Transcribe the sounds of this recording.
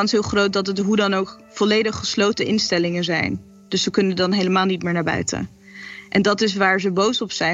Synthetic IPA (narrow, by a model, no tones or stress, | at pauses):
ɑnsɦɪːlˠχrowt̚dɑtətɦudɑnowk | fɔlejdəχːəslowtəʔɪnstɛlɪŋənzɛ̰jn | d̥ɵssəkɵnəndɑnɦejləmaːlˠnitmɪːɹnaːɹbœ̰ɥtə̰ | ʔɛndɑtɪsʋaːɹzəbowsɔpsɛ